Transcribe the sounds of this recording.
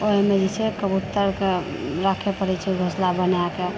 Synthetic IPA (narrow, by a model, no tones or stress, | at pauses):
oɦemed͡ʒisekəbut̪ːəɾke | ɾakʰepəɾɛt͡ʃʰebʱəslabənake